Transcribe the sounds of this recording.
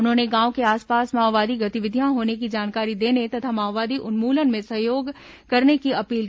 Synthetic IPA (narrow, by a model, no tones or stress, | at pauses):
ʊnɦõːneɡãːõkeaːspaːsmaːʋʋaːd̪ʱiɡɐt̪ɪʋɪd̪ʱijãɦoːnek̬id͡ʒaːnkaːɾid̪eːnet̪ɐt̪ʰamaːʋaːd̪iʔʊnmuːlənmẽsɐɦjoːɡ | kɐɾnekiɐpiːl